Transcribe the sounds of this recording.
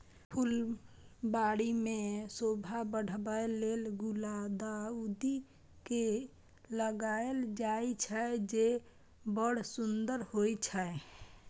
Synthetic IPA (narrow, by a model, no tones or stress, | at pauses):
pʰul | baɽimesobʱabəɽ̤bəelelɡulad̪aud̪i | ke | ləɡaeld͡ʒait͡ʃʰəd͡ʒe | bəɽ̤sund̪əɾhoit͡ʃʰəe